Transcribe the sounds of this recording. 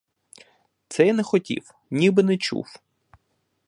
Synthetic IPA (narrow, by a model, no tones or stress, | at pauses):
t̪sɛjnɛxɔtʲḭw | nʲibɪnɛt͡ʃṵw